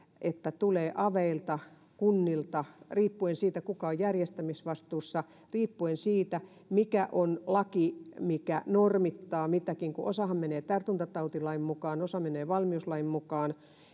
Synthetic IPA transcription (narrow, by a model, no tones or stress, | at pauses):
ʔet̪ːæt̪uleːʔɑʋeilt̪ɑ | kunːilt̪ɑriːpːuensiːt̪ækukɑojjærjest̪æmisʋɑst̪uːsːɑ | riːpːuensiːt̪æ | mikæʔonlɑkimikænormit̪ːɑːmit̪ækiŋkuʔosɑhɑmmeneːt̪ært̪unt̪ɑt̪ɑut̪ilɑimmukɑːnosɑmeneːʋɑlmiuslɑimmukɑːn